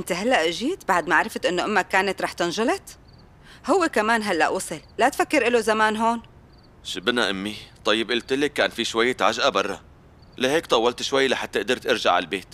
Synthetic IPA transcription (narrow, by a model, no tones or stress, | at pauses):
ʔɪnt̪eɦalːaʔʒiːt̪baʕd̪maʕaɾˤɪft̪ʔɪnːoʔɪmːakaːnat̪ɾˤɑːħt̪ɪnʒʊlɪt̪ | hʊwːekamaːnɦalːa̰ʔuːsˤɨlːat̪fakːɪɾʔɪlozamaːnɦoːn | ʃɪbnaʔamːit̪ˤɑjːɪbʔɪlt̪ɪlekːaːnfiʃwajːet̪ʕaʒʔabɑrˤːɑ̰ | laheːkt̪ˤɑwːɑlt̪ʃwajːlaħat̪ːɪʔd̪ɪɾt̪ʔɪɾʒa̰ʕa̰lbeːt̪